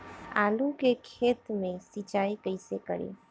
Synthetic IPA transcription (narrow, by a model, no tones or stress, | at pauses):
a̰ːlukekʰeːt̪mẽsit͡ʃaːikəɪsekə̰ɾḛ